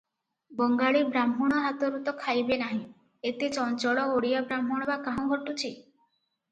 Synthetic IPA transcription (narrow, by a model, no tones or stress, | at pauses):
bɔŋɡaɭibɾamɦuɽ̃ɔɦat̪ɔɾut̪ɔkʰajbenaɦĩ | et̪et͡ʃɔnt͡ʃɔɭɔoɽijabɾamɦɔɽ̃ɔbakaɦɔ̃ɡʱɔʈːut͡ʃʰi